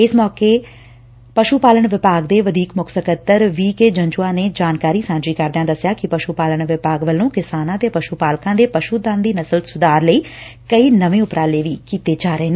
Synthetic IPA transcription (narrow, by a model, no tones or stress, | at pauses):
ɪsmɔːkeː | pəʃuːpaːləɳʋɪpaːɡd̪eːʋəd̪ʱiːkmʊksəkət̪ːəɾʋiːkeːd͡ʒə̃ɲd͡ʒuːãːneːd͡ʒaːnkaːɾiːsãːnd͡ʒɾiːkəɾd̪ãːd̪əsːɪjaːkɪpəʃupaːləɳʋɪpaːɡʋəlːõːkɪsaːnãːt̪eːpəʃuːpaːlkãːd̪eːpəʃuːd̪ãnd̪iːnəsəlsʊd̪aːɾləiː | kəiːnəʋẽːʊpɾãːleːʋiːkiːt̪eːd͡ʒaːɾəeːnː